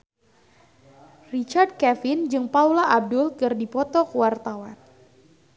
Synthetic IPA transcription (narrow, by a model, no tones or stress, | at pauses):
rit͡ʃard̚kɛfɪnd͡ʒɨŋpaulaʔab̚dʊlkɨrdipɔt̪ɔkwart̪awan